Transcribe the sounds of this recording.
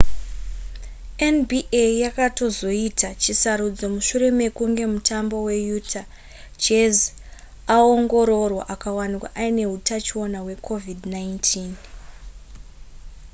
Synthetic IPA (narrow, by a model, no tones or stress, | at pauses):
enbʱiʔejakato̞zo̞itat͡ʃisaɾud͡zo̞muʃure̞me̞kuŋɡe̞mutambo̞we̞jutʰa | t͡ʃez | ao̞ŋɡo̞ɾo̞rwaʔakawanikwa̰ʔaine̞ɦutat͡ʃio̞nawe̞kʰo̞vidnaintʰiːn